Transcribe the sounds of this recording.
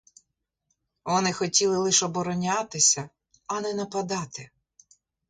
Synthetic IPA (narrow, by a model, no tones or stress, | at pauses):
ʋɔnɪxɔtʲilˠɪlˠɪʃɔbɔɾɔnʲat̪ɪsʲɐ | ɐnɛnɐpɐd̪ɑt̪ɪ